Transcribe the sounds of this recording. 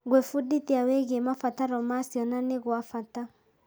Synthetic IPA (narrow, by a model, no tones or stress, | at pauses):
ɣwefuditiaweɣemafataɾɔmasiɔnaneɣwafata